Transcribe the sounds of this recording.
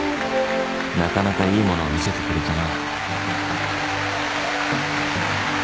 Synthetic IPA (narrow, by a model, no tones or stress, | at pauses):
nakanakaiːmo̞no̞amʲise̞t̪e̞kɯ̟ɾʲit̪anaɯ